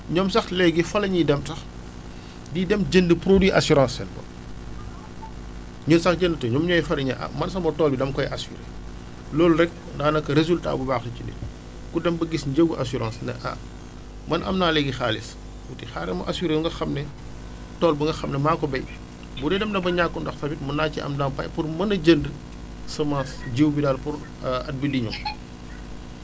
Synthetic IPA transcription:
ɲɔːmsɐxlɛɡifɐlɐɲidɛmtɐx | didɛmɟəndəpɾodwiʔasuɾɑ̃ːsɛ̰nkɔ̰ | ɲənsɐxɟəndətɐɲɔmɲɔːjifɐlɐɲɐ̰ʔɐ̰mɐnsɐmɔtɔːlbidɐmkɔjʔasṵɾḛ | lɔːlrɛk̚ | ndɐnɐkːɐɾezulta̰bubaːxicinḭ | kudɛmbɐɡisɲɟəɡuʔasuɾã̰ːsnɐ̰ʔa̰ | mɐnʔɐ̰mnaːlɛɡixaːlis | wutixa̰ɾɛmɐ̰ʔasyɾejuŋɡɐxɐmnɛ | tɔːlbuŋɡɐxɐmnɛmaːkɔbɛj | budɛdɛmdɐbɐɲakːundɐxsɐbitmɐnaːciʔɐ̰mdɐmpɐ̰jpurmɐnɐɟənd | sɐmãːsɟiwbidaːlpuɾ | ɐt̚bidiɲɔ̰m

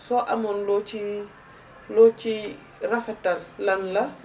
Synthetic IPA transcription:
sɔʔamɔnlot͡ʃi | lot͡ʃi | rafɛtːalːanla

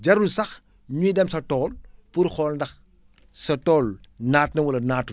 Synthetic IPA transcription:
ɟɐɾusɐx | ɲuidɛmsɐtɔːlpuɾxɔːlndɐx | sɐtɔːlnaːt̚nɐwɐlɐnaːtu

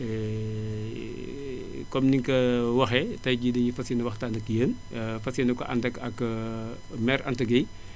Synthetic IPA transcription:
ɛ | kɔmniŋkɐwɐxɛtɐjd͡ʒidɐɲifɐsinɐwɐxtaːndɐkjəːn | fɐsinɐkɔʔɐ̰ndɐkɐk | mɛɾʔɐ̰ntɐɡɐj

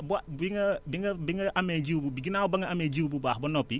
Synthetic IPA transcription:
buabiŋɐbiŋɡɐbiŋɐʔamɛd͡ʒiwbubiɡinawbɐŋɐamɛd͡ʒiwbubahbɔnɔpi

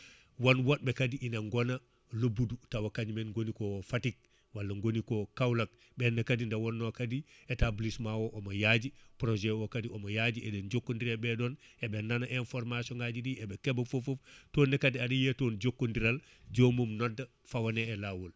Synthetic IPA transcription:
wonwot̚bekadiʔineŋɡona | lobudutawakaɲmenŋɡonikofatik̚ | walːɐŋɡonikokawlak̚ | benːɐkadindawonːokadietablismawoʔomɐjaɟipɾoʒewokadiomɐjaɟiedenɟokːondiɾebedoːn | ebendanaʔenfoɾmasioŋɡaɟidiebekebɐfofoftoːnːekadiadijetoːnɟokːondiɾal | ɟomumnodɐ | fawaneːlawol

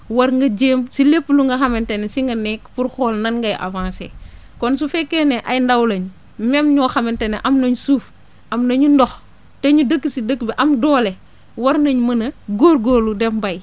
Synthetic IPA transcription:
wɐɾŋɡɐd͡ʒemsilepːluŋɡɐxɐmentenesiŋɡɐnekpuɾxoːlnɐnŋɡɐjʔa̰vãːsḛ | kɔnsufekːeneʔajndawlɐɲ | memɲɔːxɐmenteneʔɐmnɐɲusuːf | ʔɐmnɐɲundox | tɐɲudəkːisidəkːbiʔɐmdoːle | wɐɾnɐɲmɐnɐɡoɾɡoːludembɐj

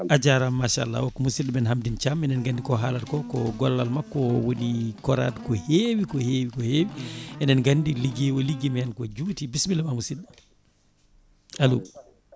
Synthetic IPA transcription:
ʔad͡ʒaɾamːaʃa̰a̰lːa̰wɔkːɔmusiɗɛmɛnhamdint͡ʃamɛnɛnɡandikɔɦaːlaɾkɔkɔɡɔlːalmakːɔwonikɔɾa̰dkɔhewikɔheːwikɔheːwiɛnɛnɡandiliɡɛwɔliɡimɛjɛnkɔd͡ʒutibismilɛmamusiɗa | alṵ

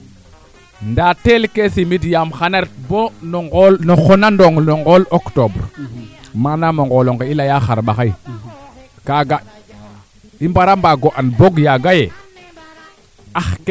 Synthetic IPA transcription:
ndatelkesimidjamxaneɾtbonoŋɡolnoxonandoŋnoŋɡoloktobɾmanamoŋɡoloŋɡeilajaxaɾɓaxai | kaɡa | imbaɾambaɡoʔanboɡjaɡaje | axk

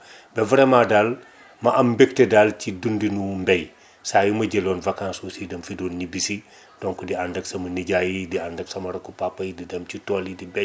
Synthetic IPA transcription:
bɛvɐɾemadal | mɐʔɐmbek̚tedalt͡ʃidundinumbɛj | sajumɐɟelonvɐkãnsusidɐmfidonːibisi | d̥ɔŋkudiandɐksɐmɐniɟajidiandɐksɐmɐɾɐkːupapːɐjdidɐmt͡ʃitɔlidibɛ

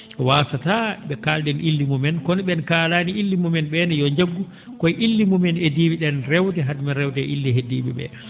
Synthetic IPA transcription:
waːsataɓɛkalɗɛnʔilːimumɛnkɔnɓɛnkaːlaːniʔilːimumɛnɓɛnɛjɔɲd͡ʒaɡːu | kɔjʔilːimumɛnediːbiɗɛnrɛwdɛɦadmɛɾɛwdɛʔilːiɦediːɓḭɓɛ̰

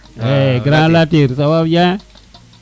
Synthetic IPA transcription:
eɡɾãlateɾsababjã

